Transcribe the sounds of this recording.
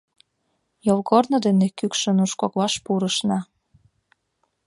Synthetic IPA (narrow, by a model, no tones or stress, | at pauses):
jolkornod̪enekykʃə̆nuʃkoklɑʃpuɾəʃnɑ